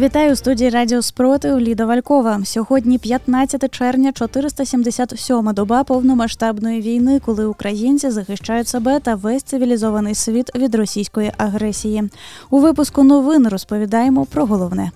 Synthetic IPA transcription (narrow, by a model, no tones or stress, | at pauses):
vʲit̪ajust̪udʲijiɾadʲijɔspɾɔt̪ɨwlʲid̪ɐvalʲkɔvɐsʲɔɣɔd̪ʲnʲipʲjat̪nasʲɐt̪ɐt͡ʂɛrwnʲɐt͡ʂɔt̪ɨɾɨst̪ɐsʲimd̪ʲɛsʲat̪sʲɔmɐd̪ɔbapɔwnɔjmaʂt̪abnɔjɐvʲijnɨkɔlˠɨukɾajint̪sɨzɐxɨʂt͡ʂajʊt͡sʲsɐbɛt̪ɐvɛsʲt̪sɨvʲilʲizɔvɐnɨsʲvʲit̪vʲid̪ɾɔsʲijskɔjiʔaɣɾɛsʲijiuvɨpuskunɔvɨnrɐspɐvʲid̪ajɛmɔpɾɐɣɔlˠɔwnɛ